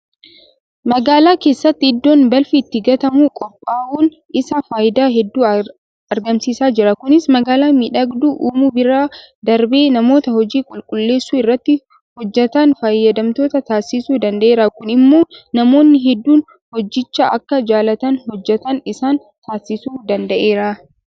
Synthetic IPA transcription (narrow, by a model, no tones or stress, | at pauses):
mɐɡaːlaːke̞ːsːɐt̪ːɪːɪd̪ːoːnbɐlfiːt̪ːɪɡɐt̪ɐmuːkʼɔpʼːaːʔuːn | ʔɪsɐfaːjɪd̪aːɦɛd̪ːuː | ɐɾɡɐmsiːsaːd͡ʒɪɾɐkʊnɪsmɐɡaːlaːmɪᶑɐɡd̪uːʔuːmuːbɪɾaːd̪ɐɾbe̞ːnɐmo̞ːt̪ɐhɔd͡ʒiːkʼʊlkʼʊlːe̞ːsːuːɪrːɐt̪ːɪ | hɔd͡ʒːɛt̪ɐnfaːjːɐd̪ɐmt̪o̞ːt̪ɐt̪aːsːɪsuːd̪ɐnd̪ɐʔe̞ːɾaːkʊnɪmːo̞ːnɐmo̞ːnːɪɦɛd̪ːuːn | hɔd͡ʒːɪt͡ʃːaːʔɐkːɐd͡ʒaːlɐt̪ɐnhɔd͡ʒːɛt̪ɐnɪsaːn | t̪aːsːɪsuːd̪ɐnd̪ɐʔeːɾaː